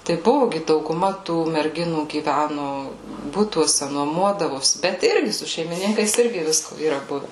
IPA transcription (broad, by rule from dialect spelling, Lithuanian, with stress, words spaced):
tɐɪ ˈbʊʋʊ ˈɡʲɪ dɐʊɡʊˈmɐ tuː mʲɛrʲˈɡʲɪnuː ɡʲiːˈʋʲænʊ ˈbʊtuɔsʲɛ nuɔˈmuɔdɐʋoːsʲɪ bʲɛt ˈɪrʲɡʲɪ sʊ ʃʲɛɪmʲɪˈnʲɪŋkɐɪs ˈɪrʲɡʲɪ ˈʋʲɪskoː iːˈrɐ ˈbʊʋʲɛ